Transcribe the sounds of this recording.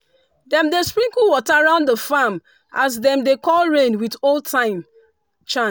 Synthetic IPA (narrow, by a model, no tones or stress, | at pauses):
dɛ̃mdespɹĩŋkuwɔtaaɹãʊ̃ndəfam | as̬dɛ̃mdekɔlɹẽnwiðoltʰãɪ̃m | t͡ʃã